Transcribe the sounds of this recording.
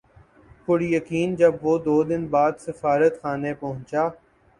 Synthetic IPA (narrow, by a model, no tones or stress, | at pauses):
kʊɽijəkiːnd͡ʒɐbʋoːd̪oːd̪ɪnbaːd̪sɪfaːɾət̪xaːnepɐɦʊ̃nt͡ʃaː